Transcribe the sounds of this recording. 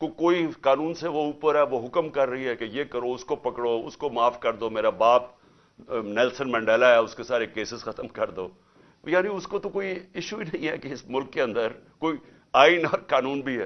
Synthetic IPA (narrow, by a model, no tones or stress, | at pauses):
kokoːikaːnũːnseʋouːpəɾɦɛʋoɦʊkəmkɐɾːɐɦiɦɛkejekɐɾoʊskopɐkɽoːʊ̰skomaːfkɐɾd̪oːmeːɾabaːp̚ | nɛːlsənmɛ̃ːɳɖɛːlaɦɛʊskesaːɾekeːsɪzxɐt̪əmkɐɾd̪oː | jaːnĩʊskot̪okoːiɪʃuinɐɦĩɦɛkeɪsmʊlkːeɐ̃nd̪əɾ | koːi | aːɪnɔːɾkaːnuːnbʱiɦɛ̰ː